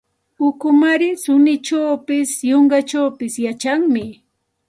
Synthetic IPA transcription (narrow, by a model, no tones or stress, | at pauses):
ʊkʊmaɾɪsʊnɪt͡ʃawpɪsjoɴɢɑt͡ʃawpɪsjat͡ʃaŋmɪ